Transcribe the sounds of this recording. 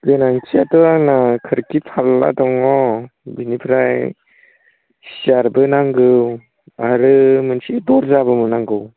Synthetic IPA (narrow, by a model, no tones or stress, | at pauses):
benaŋsiatɔanakʰɯɾkipʰalːa̰dɔŋɔbinipʰɾaj | siaɾbɯnaŋɡɯw | aɾɯmɯnsidɔɾzabɯmɯnaŋɡɯw